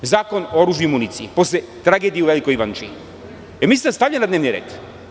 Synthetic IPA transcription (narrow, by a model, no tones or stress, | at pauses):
zakonooɾuʒuimunit̪siiposlɛ | t̪ɾaɡɛd̪ijɛuvɛlikojivant͡ʃi | ɛmisit̪ast̪avʎʲanad̪nɛvniɾɛ̰t̪